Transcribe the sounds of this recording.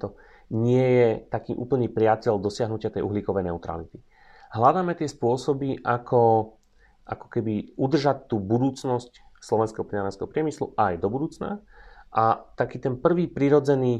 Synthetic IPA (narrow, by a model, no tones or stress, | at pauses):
t̪ɔ | ɲɪɛjɛt̪akiːʔṵːpl̩ɲiːpɾɪacɛld̪ɔsɪaɦnucɪat̪ɛjʔuɦliːkɔʋɛjnɛʊt̪ɾa̰lit̪i̥ | ɦlad̪aːmɛt̪ɪɛspʊɔsɔbiʔakʰɔ | ʔakɔ̥kɛbiud̪r̩ʒact̪ːuːbud̪uːt͡snɔscslɔʋɛnskɛɦɔpɾinaɾɛnskɛ̰ɦɔpɾɪɛmislṵʔajd̪ɔbud̪uːt͡sna̰ʔat̪akiːt̪ɛnpr̩ʋiːpɾiɾɔd͡zɛniː